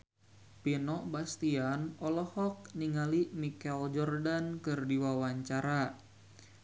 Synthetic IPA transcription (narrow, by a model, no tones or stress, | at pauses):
pinɔbast̪ianɔlɔhɔk̚niŋalimikɛld͡ʒɔrdankɨrdiwawaɲt͡ʃaɾa